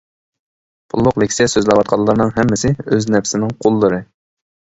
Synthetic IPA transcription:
bʰulˠːʊqlɪkʲʰsɛsøzlɛwɑt̪̚qʰɑlˠːəɾnɨŋɦɛmːɪsɪøznɛpsɪnɪŋqʰolˠːɨɾɨ

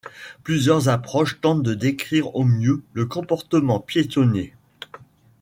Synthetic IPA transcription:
plyzjœʁzapχɔʃt̪ɑ̃t̪̚d̪əd̪ekχiʁomjøləkɔ̃pɔʁt̪əmɑ̃pjet̪ɔne

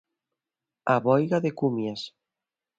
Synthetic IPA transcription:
aβɔjɣaðekumjas

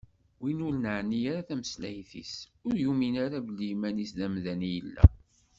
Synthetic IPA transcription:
winʊɾnəʕnijaɾaθæməslæjθḭsʊɾjuminaɾavəlimænisðæmðænijəlːæ̰

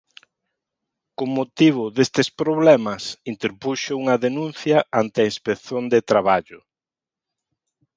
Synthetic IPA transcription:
koŋmːot̪iβ̞ʊðest̪espɾoβlɛmɐsint̪eɾpuʃouŋɐðenũn̟θjɐant̪ɪɐispekθond̪et̪ɾaβaʎʊ

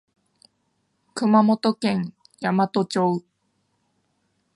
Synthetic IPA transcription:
kɯ̟mamo̞t̪o̞kẽ̞ŋ | jamat̪o̞t͡ɕoɯ

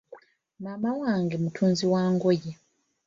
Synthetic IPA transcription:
mamawaːŋɡemutʰuːnziwaːŋɡoje

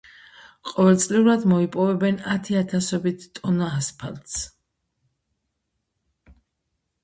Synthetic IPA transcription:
qʼɔvɛlt̪sʼliuɾad̪mɔipʼɔvɛbɛnat̪ʰiat̪ʰasɔbit̪ʰt̪ʼɔnaaspʰa̰lt̪s

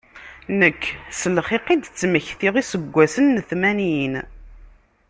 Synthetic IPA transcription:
nəkʰːsəlχiqid̪t͡sːməçθiʁisəɡʷːæsənːəθmæniən

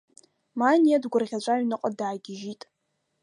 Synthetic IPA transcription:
manijadɡʷʊrʁʲat͡ʃʷʼaɥnɨqʼadaːɡʲɪʒitʼ

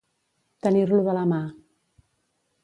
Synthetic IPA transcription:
t̪əniɾluðəlama

